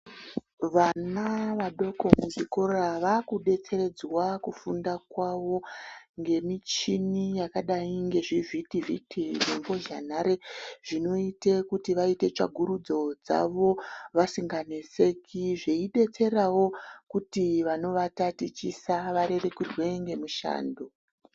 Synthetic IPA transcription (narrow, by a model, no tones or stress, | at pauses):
ʋanaʋaɗo̞ko̞muziko̞raʋakuɗe̞t͡se̞ɾe̞d͡zwakufundakwaʋo̞ŋɡe̞mit͡ʃinijakaɗaiŋɡe̞ʐivitivḭtʰiʐeŋɡo̞ʒa̰n̤aɾeʐ̥ino̞ite̞kutiʋaite̞t͡ʃa̰ɡʱuɾud͡zo̞d͡za̰ʋo̞ʋasiŋɡanese̞kʰiʐeiɗe̞t͡se̞ɾawo̞kutiʋano̞ʋatatit͡ʃisaʋaɾe̞rekirwe̞ŋɡe̞muʃa̰ːndo